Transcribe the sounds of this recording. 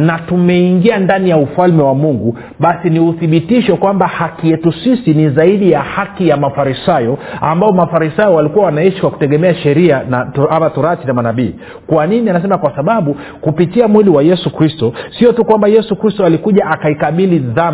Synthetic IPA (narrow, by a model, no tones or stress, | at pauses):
natumɛiŋɡiandanijaufalmɛwamuŋɡu | ɓasiniuθiɓitiʃɔkwambahakijɛtusisinizaiɗijahakijamafaɾisajɔambaɔmafaɾisajɔwalikuwawanaiʃi̥kwaku̥tɛɠɛmɛaʃɛɾianaamatɔɾatinamanaɓiː | kwaninianas̬ɛmakwasaɓaɓu | kupitiamwiliwajɛsukɾistɔsiɔtukwambajɛsukɾistɔalikuʄaʔakaikaɓiliðam